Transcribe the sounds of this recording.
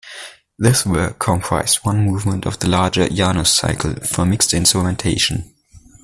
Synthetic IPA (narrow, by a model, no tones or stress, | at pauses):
ðɪswə˞kʰɔ̃mpʰɹ̥a̰ɪz̥wʌ̃nmuːvmə̃ntʰʌ̰vðəlaɹd͡ʒə̰˞janosa̰ɪkʰl̩ˠfə˞mɪkstɪ̃nsɹəmɛ̃ntʰeɪʃə̃n